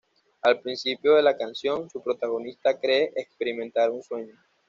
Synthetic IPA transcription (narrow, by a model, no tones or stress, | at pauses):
alpɾinsipjo̞ðe̞lakansjo̞nsupɾo̞t̪aɣo̞nist̪akɾe̞ʔekspe̞ɾimẽnt̪aɾunswe̞ɲo̞